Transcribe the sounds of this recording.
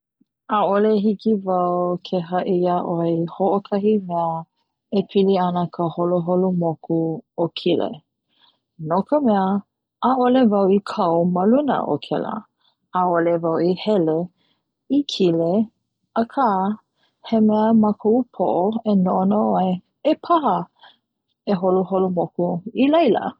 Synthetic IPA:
aoleɦikivɐwkʰeɦɐʔiaʔoehoʔokʰɐhimɛə | epʰiliɐnəkʰəholoɦolumokuokʰilḛ | nokʰəmɛə | ʔːʔolevɐwikʰɐwməlunə̰ʔo̰kʰɛ̰lə̰ | aolevawihɛle | ikʰile | əkʰa | hemɛəmɐkʰoupʰo̰ʔoenoʔonoaj | epʰaɦə | eɦoluhɦolumokuilɐjlə̰

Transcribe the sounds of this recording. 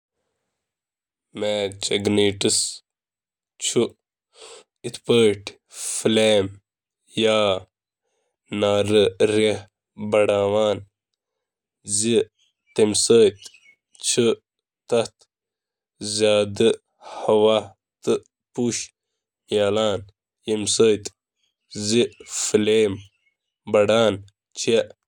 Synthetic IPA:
meːt͡ɕɐɡniːʈis | t͡ɕʰu | it̪ʰpəʈ | fleːm | jaː | naːɾɨɾeh | bɐɽaːwaːn | zi | t̪emsəːt̪ | t͡ɕʰi | t̪ɐt̪ | zaːd̪ɨ | hɐwaː | t̪ɨ | puɕ | jaːlaːn | jimsəːt̪ | zifleːm | bɐɽaːn | t͡ɕʰe

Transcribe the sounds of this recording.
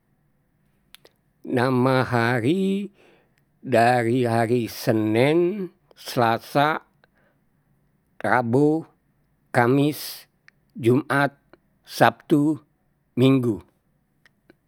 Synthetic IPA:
namaɦaɾi | daɾiɦaɾisənɛn | səlasa | ra̰bo | kamis | d͡ʒumʔat̪̚ | sap̚t̪u | miŋɡu

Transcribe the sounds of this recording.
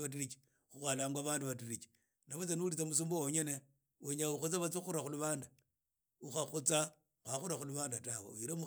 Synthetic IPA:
at̬irit͡ʃi̥ | xuxwalaːŋɡwaβaːnduβatiɾit͡ʃi̥ | naβot͡senulit͡samus̬uːmbowoɲene | weɲauxut͡saβat͡sixuɾaxuluβaːnda | uxaxut͡sa | xwaxuɾaxuluβaːndatawḛuiɾemu

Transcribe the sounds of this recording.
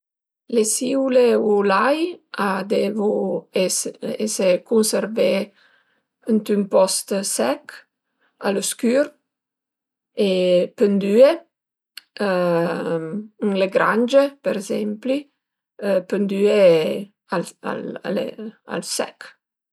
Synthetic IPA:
lesiwleulajad̪evueesekunseɾve | ənt̪ympɔst̪sɛk | aloskyɾ | epənd̪ye | ŋleɡɾand͡ʒepeɾezɛmpli | pənd̪ye | ala̰la̰lḛa̰lsɛ̰k

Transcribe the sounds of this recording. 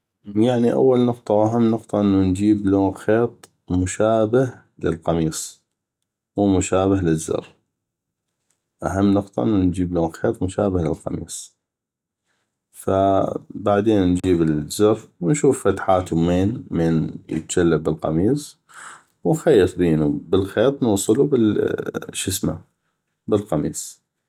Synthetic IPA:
jaʕniʔa̰wːalnʊq̚t̪ˤɑwʔaɦamːnʊqt̪ˤɑʔɪnːund͡ʒiːbloːnxeːt̪ˤ | mʊʃaːbah | lɪ̰lqɑmiːsˤ | wuːmʊʃaːbahlɪzːʊ̰ɾ | ʔaɦamːnʊqt̪ˤɑ̰ʔənːund͡ʒiːbloːnxeːt̪ˤmʊʃaːbahlɪ̰lqɑmḭːsˤ | fabaʕd̪eːnnd͡ʒiːbəzːɑɾwnʃuːfːat̪ħaːt̪umeːnmeːnjə̰t̪̚d͡ʒalːabːəlqɑ̰miːsˤ | wnxajːɨt̪ˤbiːnubəlxeːt̪ˤnʊwsˤɨlubəlʃɪsma̰ | bəlqɑmḭːsˤ

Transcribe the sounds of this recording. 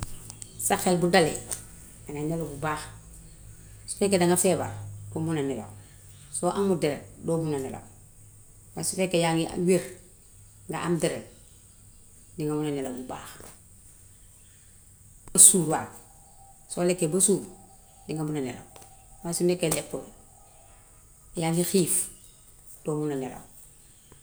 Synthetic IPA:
saxelbudale | aŋanelabubaːx | su̥fekedaŋafeːba̰domunanila̰ | soʔaŋudeɾḛdomunanila̰ | wasufekejaŋia̰weɾ | ŋɡa̰ʔamdeɾḛ | diŋamunanilabuba̰ːx | basuːɾwa̰k̚ | solekːebasuːɾ | diŋɡamunanḛla̰wasinekelekːo | jaŋhixiːf | d̥oːmunanila̰w

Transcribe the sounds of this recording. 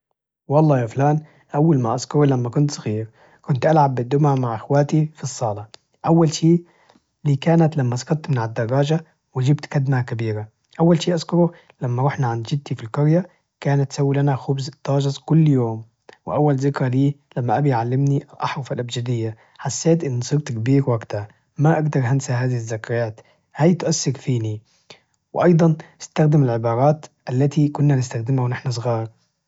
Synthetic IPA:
wɑlˤːɑːjaːflaːn | ʔawːalmaʔaskʊɾilamːakʊnt̪sɑ̥ɣiːɾ | kʊnt̪ʔalʕabːɪd̪ːʊmaʕmaʕʔɪxwaːt̪ifisˤːɑːlɑ | ʔawːalʃiː | liːkaːnat̪lamːaʔsˤkɑɾˤt̪mɪnaʕad̪ːɑrˤːɑːʒa | wɪd͡ʒɪbt̪kad̪makabiːɾa | ʔawːalʃiːʔaskʊɾu | lamːaɾˤʊːħnaʕand̪d͡ʒɪd̪̚t̪ifilkʊɾja | kaːnat̪ʔsawːilanaxʊbzt̪ːɑːʒɑzˤkʊlːjoːm | wɪʔawːalzɪkɾaliːlamːaʔabijʕalːɪmniʔalʔɑ̰ħɾˤʊfalʔabd͡ʒad̪ɪjːa | ħasːeːt̪ʔɪnːsˤiːbt̪kbiːɾwaɡt̪a | maʔaɡd̪ɑɾˤhansaɦaːðɪhɪzːakɾˤaːt̪ | haːjt̪ʔasːɪɾfiːni | wʔɑjd̪ˤɑnʔɪst̪axd̪ɪmɪlʕɪbɑːɾˤɑːt̪ʔalːat̪ikʊnːanɪst̪axd̪ɪmhawnɪħnas̬ˤɣɑːɾˤ

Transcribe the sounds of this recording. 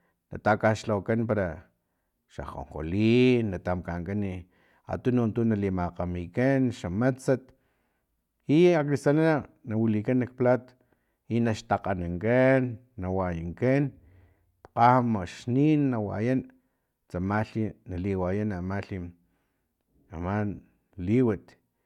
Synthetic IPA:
na̰t̪akaʃlawakanpaɾa | ʃa̰χo̰ɴqo̰liːnːat̪amkaŋkani | a̰t̪unont̪unalimaqamikanʃamat͡sat̪ | iaklisanana | nawilikanːak̚plat̪ḁ | inaʃt̪aqanaŋkanː | awajaŋkan | qamaʃninːawa̰jan | t͡samaɬinaliwajanamaɬi | a̰man | liwat̪

